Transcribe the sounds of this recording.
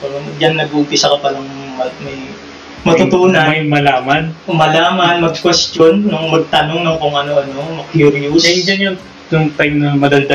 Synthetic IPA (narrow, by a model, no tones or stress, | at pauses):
pɛɾomɐɡd͡ʒɐnnɐɡʊʊmp̪ɪsɐkɐpalɐŋmɐmɐj | mɐt̪ʊt̪uːnɐmɐjmɐlaːmɐnmɐlaːmɐnmɐɡ̚kwɛst̪jonːʊŋmɐɡ̚t̪ɐnoŋnʊŋkʊŋɐnoʔɐno̞mɐkjuɾjusɐjʊd͡ʒɐnjʊŋ | jʊŋt̪ajmnɐmɐd̪ɐld̪ɐ